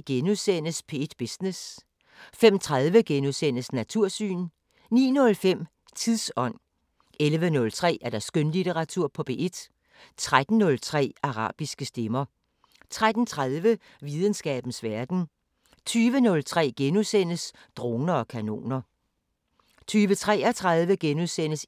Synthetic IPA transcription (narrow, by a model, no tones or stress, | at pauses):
ɡ̥enuðˠsen̰əspʰe̝ed̥b̥isnes | fem̰t͡sʰʁaðˠʋəɡ̥enusen̰əsnæt͡sʰuɐ̰sy̰ːn | nḭːnɔ̽lfem̰ | t͡sʰiðˠsɒ̽n̰ | elʋənɔ̽lt͡sʰʁɛ̰ːæɐd̥æɐsɡ̥ønlit͡sʰeʁɑ̈t͡sʰuɐ̰pʰɒ̽b̥e̝̰ʔe̝d̥ | t͡sʰʁad̥n̩ːɔ̽lt͡sʰʁɛ̰ːɑ̈ʁɑ̰̈ːb̥isɡ̥əsd̥emɐ | t͡sʰʁad̥n̩t͡sʰʁaðˠʋə | ʋið̞ˠən̩sɡ̥ɛ̰ːb̥n̩sʋæɐd̥n̩ | t͡sʰyːʋənɔ̽lt͡sʰʁɛ̰ːɡ̥enusen̰əs | d̥ʁoːnɐɒ̽kʰæno̝̰ːnɐ | t͡sʰyːʋət͡sʰʁɛ̰ːæt͡sʰʁað̞ˠʋəɡ̥enusen̰əs